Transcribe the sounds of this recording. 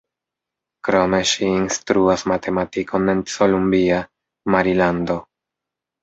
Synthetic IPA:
kɾo̞me̞ʃiːnstɾuasmatʰe̞matikʰo̞ne̞nsolumbia | maɾilando̞

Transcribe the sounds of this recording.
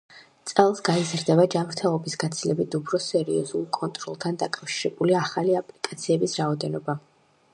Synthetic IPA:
t̪sʼɛlˠsɡaizɾd̪ɛbad͡ʒamɾt̪ʰɛlˠɔbisɡat̪sʰilɛbit̪upʰɾɔsɛɾiɔzulˠkʼɔnt̪ʼɾɔ̰lˠt̪ʰand̪akʼafʃiɾɛbuliaχaliapʼlikʼat̪sʰiɛbisɾaɔd̪ɛnɔba

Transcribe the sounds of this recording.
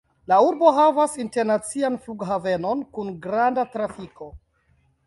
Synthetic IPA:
lauɾbo̞ɦavasinte̞ɾnat͡sianfluɡɦave̞no̞nkunɡɾandatɾafiko̞

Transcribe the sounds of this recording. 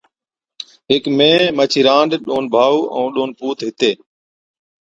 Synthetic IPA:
ɦɪkmẽːmət͡ʃʰiːɾãːɳɖɗoːnbʱaːuːʔə̰̃uːɗoːnpuːt̪ɦɪt̪eː

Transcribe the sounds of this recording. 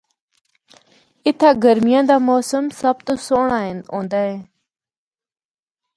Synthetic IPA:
ɪt̪ʰaːɡəɾmɪjãːd̪aːmoːsəmsəb̚t̪osoːɳaːɦɪnõːnd̪aːɦẽː

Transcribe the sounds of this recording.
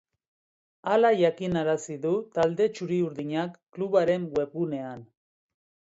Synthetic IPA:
alaʝakinaɾasiðut̪ald̪e̞t͡ʃuɾiuɾðiɲakːluβaɾe̞ŋwe̞pune̞an

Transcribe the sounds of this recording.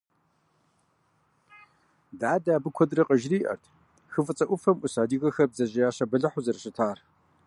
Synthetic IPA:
daːdaːbɨkʷʰɔdrɐqʼɐʒriːʔɐ̰rtʰ | xɨfɨt͡sʼɐʔʷʊfɐmʔʷʊsaːdiːɣɐxɐb̚zɐʑɪjaːɕɐbɐɮɐħʊzɐɾɐɕʼɪtʰaːr

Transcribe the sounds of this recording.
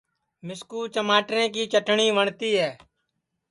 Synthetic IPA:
mɪskuːt͡ʃəmaːʈɾẽːkiːt͡ʃəʈʰɳiːʋəɳt̪iːɦɛː

